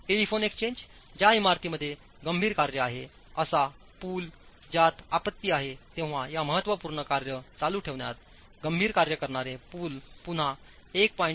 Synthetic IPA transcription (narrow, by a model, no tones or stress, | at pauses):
ʈelifonekst͡ɕeɲd͡ʑ | d͡ʑjaimaɾt̪iːməd̪ʱːje | ɡəmbʱiːɾkaɾjəaɦe | əsa | puːl | d͡ʑat̪apət̪ːiːaɦet̪ẽʋ̤ajaməɦət̪ːʋəpuːɾɳəkaɾjət͡saluːʈʰeʋɳjat̪̚ | ɡəmbʱiːɾkaɾjəkəɾɳaɾepuːlpun̤a | ek̚paĩɳ